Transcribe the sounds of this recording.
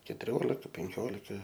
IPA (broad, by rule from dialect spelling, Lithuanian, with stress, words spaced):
kʲɛtʊˈrʲoːlʲɪkɐ pʲɛŋʲˈkʲoːlʲɪkɐ